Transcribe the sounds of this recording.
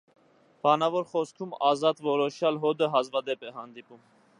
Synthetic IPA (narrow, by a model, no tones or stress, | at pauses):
b̥ɑnɑvɔɾχɔskʰumɑzɑt̪vɔɾɔʃjɑlɦɔd̪əɦɑzvɑd̪ɛpɛɦɑnd̪ipum